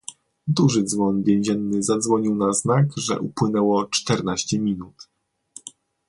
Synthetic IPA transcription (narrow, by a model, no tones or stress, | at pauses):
d̪uʐɘd̪zvɔnvʲjɛ̃w̃ʑɛnːɘzad̪zvɔɲiwnaznakʐɛ̰ʔupwɘnɛwɔt͡ʂt̪ɛɾnaɕt͡ɕɛmʲinut̪